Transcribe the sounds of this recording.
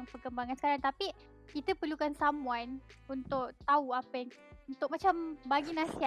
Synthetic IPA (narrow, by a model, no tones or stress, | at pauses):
ŋpərkəmbaŋansə̥kaɾaŋt̪api | kit̪əpərlukansamũanunt̪ʊk̚t̪auapəjaŋ | unt̪ʊk̚mat͡ʃambaɡinãsia